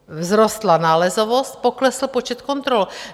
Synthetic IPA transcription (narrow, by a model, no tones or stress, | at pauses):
vzɾost̪lanaːlɛzovost̪̚poklɛsl̩pot͡ʃɛt̪kont̪ɾol